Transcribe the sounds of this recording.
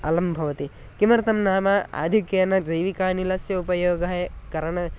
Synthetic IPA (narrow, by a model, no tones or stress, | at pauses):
ɐlɐmbʱɐʋɐt̪i | kimɐɾt̪ɐmnaːmaːa̰ːd̪ʱikjɐnɐd͡ʒɐjʋikaːnilɐsjɐupɐjoːɡɐɦɐkɐɾɐɳɐ